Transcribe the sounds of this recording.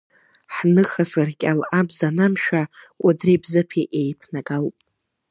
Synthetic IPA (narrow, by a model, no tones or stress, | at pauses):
ħnɨχasɨrkʲʼalʔabzanamʃᶣa | adribzɨpʰiʔejpʰnaɡalpʼ